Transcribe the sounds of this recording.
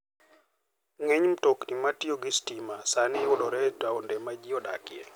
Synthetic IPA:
ŋɛɲm̩tɔknimatioɡistimasanɪɔɗɔɾɛtaɔndɛmad͡ʒiɔɗa̰kɪɛ̰

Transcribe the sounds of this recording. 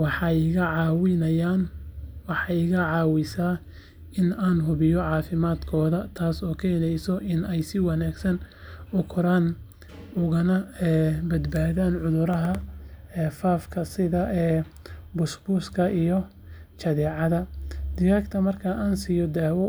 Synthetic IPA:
wɑħɑɣɐʕɑːwɪnɐjaːnwɑħɑjɣɐʕɑːwɪsaː | ɪnaːnɦʊβɪjɔʕɑːfɪmaːd̪kʰɔːðɐt̪ʰaːsɔːkʰɛːnɛjsɔʔɪnɛjsɪwɑnaːɡsɐnʊkʰʊɾaːn | ʊɣɐnɐɛːbɐd̪baːðaːnʕʊðʊɾɐɦɐɛːfaːfkʰɐsɪðɐʔɛː | bʊsbʊskʰɐʔijɔ | t͡ʃɐðɛːʕɑðɐd̪ɪɣaːkt̪ʰɐmɐrkʰɐʔaːnsiːjɔd̪aːwɔ

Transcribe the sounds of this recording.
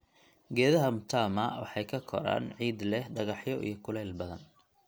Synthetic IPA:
ɡɛːðɐɦɐmʊt̪ʰaːmɐwɑ̰ħɑjkʰɐkʰɔ̰ɾa̰ːnʕiːd̪lɛhɖɐɣɑħjɔʔḭjɞkʰʊlɛːlbɐðɐn

